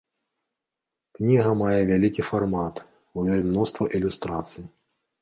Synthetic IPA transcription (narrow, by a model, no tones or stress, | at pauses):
knʲiɣɐmajɛvʲalʲikʲifarmat̪ | ujɔlʲmnɔst̪vɐʔilʲust̪ɾat̪sɨji